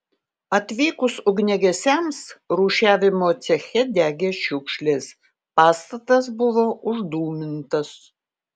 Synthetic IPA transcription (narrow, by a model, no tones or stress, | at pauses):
ɐt̪ʲʋʲiːkʊsʊɡnʲɛɡʲɛsʲɛmsɾuːʃʲæːʋʲɪmoːt̪sʲɛxʲɛd̪ʲæːɡʲeːʃʲʊkʃʲlʲeːs | pɑːst̪ɐt̪ɐs̬bʊʋoːʔʊʒd̪uːmʲɪnt̪ɐs